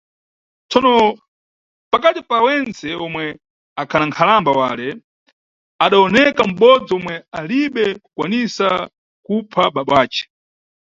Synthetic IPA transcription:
t͡sɔnɔ | pakatipawɛnt͡sɛɔmwɛ | akʰanaŋkʰalambawa̰ːlɛ | aɗaɔnɛkam̩ɓɔd͡zɔmwɛaliɓɛku̥kwanisa | kupʰaɓaɓawaːt͡ʃɛ̥

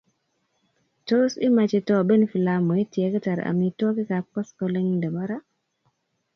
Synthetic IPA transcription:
tosimat͡ʃɛtɔbɛnfilamoitiɛkɛtaɾ̰a̰mitokikapɔskɔlɛŋndɛbaɾa

